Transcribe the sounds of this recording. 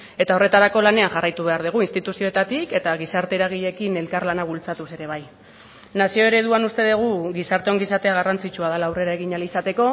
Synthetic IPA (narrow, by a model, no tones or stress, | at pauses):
e̞t̪ao̞re̞t̪aɾako̞lane̞aŋʝarajt̪uβ̞e̞aɾðiɣ̞uinst̪it̪usioet̪at̪ike̞t̪aɣisaɾt̪e̞ɾaɣ̞iʎe̞kine̞lkarlanaβ̞ult͡sat̪use̞ɾe̞β̞aj | nasio̞e̞ɾe̞ðuanust̪e̞ðeɣ̞uɣisaɾt̪e̞o̞ŋɡisaɾt̪e̞aɣ̞arant͡sit͡ʃuaðalaːwre̞ɾae̞ɣ̞iɲalisat̪e̞ko̞